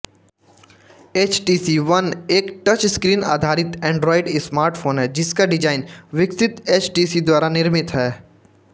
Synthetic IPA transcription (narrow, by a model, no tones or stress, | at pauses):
eːt͡ʃʈiːsiʋɐneːkʈət͡ʃskɾiːna̰ːd̪ʱaːɾɪt̪ɛ̃ːɳɖɾɔːɪɖɪsmaːɾʈfʰoːnɦɛːd͡ʒɪskaɖɪd͡ʒaːɪnʋɪksɪt̪eːt͡ʃʈiːsid̪waːɾanɪɾmɪt̪ɦɛː